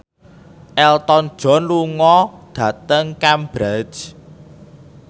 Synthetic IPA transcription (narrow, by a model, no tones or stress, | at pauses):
ʔɛlt̪ɔn̥ʒ̥ɔ̤nluŋɔd̪̥ä̤t̪əŋkambɾḁd͡ʒ